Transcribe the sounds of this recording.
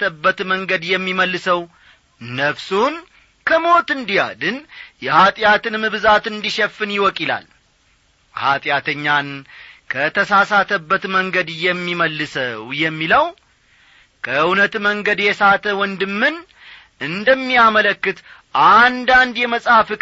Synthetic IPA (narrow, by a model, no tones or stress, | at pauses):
t̪ʰəbːət̪məŋɡəd̪jɛmːiməlːɨsəw | nəfsun | kʰəmo̞t̪ɨnd̪ija̰d̪ɨnjɛhat̪ʼjat̪ɨnmɨβzat̪ɨnd̪iʃɛfːɨnjɪwɔkʼila̰l | ha̰t̪ʼjat̪ʰəɲːankʰət̪ʰəsasat̪ʰəbːət̪məŋɡəd̪jɛmːiməlːɨsəwjɛmːiləw | kʰəɨɨwnət̪məŋɡəd̪jɛsat̪ʰəwɔnd̪ɨmːɨn | ʔɨnd̪əmːijamələkːɨt̪ʔand̪and̪jɛməsʼafɨkʼ